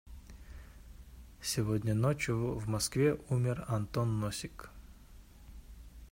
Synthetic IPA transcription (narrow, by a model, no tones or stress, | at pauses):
sʲɪvodʲnʲənot͡ɕjʊvmɐskvʲeʔumʲɪrɐnt̪onːosʲɪk